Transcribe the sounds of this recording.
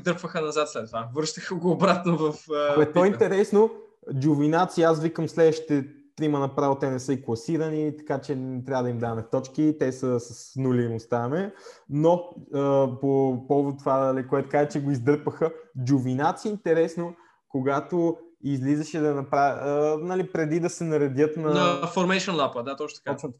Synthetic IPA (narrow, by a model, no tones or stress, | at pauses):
id̪əɾpvəxənɐzat̪slɛt̪ːovavəɾʃt̪əxəɡoːbɾat̪novɐfkoɛt̪ɔint̪ɛɾɛsno | d͡ʒʊvinat̪siasvikəmslɛd̪vəʃt̪i̥t̪ɛ | t̪ɾimənɐpɾavət̪ɛnɛsɤiklˠɐsiɾənit̪ɐ̥kat͡ʃɛɛt̪ɾʲavəd̪ɐimd̪amɛt̪ɔt͡ʃkit̪ɛsəsəsnulʲinost̪amɛnoəpopɔvot̪ːovanɐlikoɛt̪ʊkaʒɛt͡ʃɛɡoizd̪əɾpəxəd͡ʒʊvinat̪siint̪ɛɾɛsno | koɡat̪oizlizəʃɛd̪ɐnɐpɾanɐlipɾɛd̪id̪ɐsɛnɐɾɛd̪jət̪nɐfoɾmɛʃonlˠapˠəd̪at̪ɔt͡ʃt̪ɐ̥kɔt͡ʃ̪